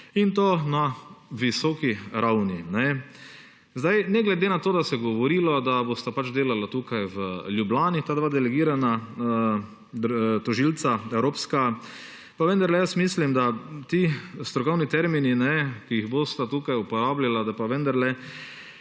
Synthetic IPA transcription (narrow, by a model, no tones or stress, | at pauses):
int̪oːnaʋisɔːkiɾʔawninɛ | zd̪ajnɛɡlɛd̪eːnat̪oːd̪asɛɡɔʋɔɾiːlɔd̪abost̪apat͡ʃd̪eːlalat̪uːkajʋəljublaːnit̪aːd̪ʋad̪ɛlɛɡiːɾana | d̪t̪ɔʒilt̪saɛwɾoːpska | paʋənd̪aɾlɛjəsmiːslimd̪at̪ist̪ɾɔkɔwnit̪ɛɾmininɛkijiɣbost̪at̪uːkajupɔɾaːblʲalad̪apaʋənd̪aɾlɛ